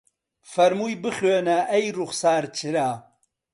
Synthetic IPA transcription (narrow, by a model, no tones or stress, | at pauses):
fɐɾmujbɨχøːnaʔɛjruχsaːɾt͡ʃʰɨɾaː